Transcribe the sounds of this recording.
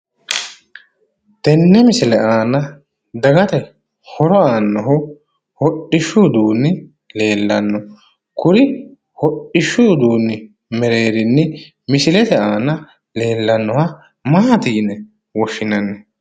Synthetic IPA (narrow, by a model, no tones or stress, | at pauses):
t̪ɛnːɛmɪsɪlɛaːnɐ | d̪ɐɡɐt̪ɛ | hɔɾɔaːnːɔɦʊ | hɔɗːɪʃuːd̪uːnːɪ | le̞ːlːɐnːɔ | kʊɾɪ | hɔɗːɪʃuːd̪uːnːɪ | mɛɾe̞ːɾɪnːɛ | mɪsɪlɛt̪ɛaːnɐ | le̞ːlːɐnːɔhɐ | maːt̪iːnɛ | wɔʃɪnɐnːɛ